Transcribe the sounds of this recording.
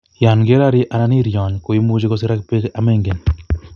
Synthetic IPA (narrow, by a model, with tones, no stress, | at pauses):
ja˨nɡe˦ɾa˦ɾɪ˦ʔa˨na˦ni˦ɾjɔ˨nko˨i˦mu˦d͡ʒi˦kɔ˦s̬i˦ɾa˦kpe˦ka˨me˦ŋɡe˨n